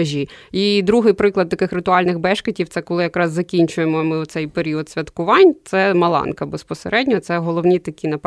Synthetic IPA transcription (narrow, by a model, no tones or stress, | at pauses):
ʒʲiid̪ɾuɦɪjpɾɪklˠɐd̪̚t̪ɐkɪxɾɪt̪ʊɑlʲnɪxbɛʃkɐtʲiwt̪sɛkɔlˠɪjɐkɾɑzːɐkʲinʲt͡ʃʊjemɔmɪɔt̪sɛjpeɾʲiɔd̪sʲʋʲɐt̪kʊʋɑnʲt̪sɛmɐlˠɑ̰nkɐbespɔseɾʔɛdʲnʲɔt̪ɛɦɔlˠɔwnʲit̪ɐkʲinɐp